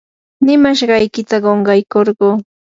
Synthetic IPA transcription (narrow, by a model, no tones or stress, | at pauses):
nɪmaʃɢɑjkɪt̪aɢoɴɢɑjkoɾɢuː